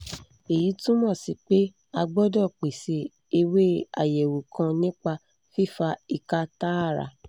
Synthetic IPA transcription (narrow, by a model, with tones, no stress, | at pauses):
e˨ji˨˦tũ˦mɔ̃˦˨si˧k͡pe˦ | a˧ɡ͡bɔ˦dɔ˦˨k͡pe˨se˧ | e˧we˦a̰˦˨jɛ˨wu˨kã˧nĩ˦k͡pa˧ | fi˦˨fa˧i˧ka˧ta˦a˦˨ɾa̰˧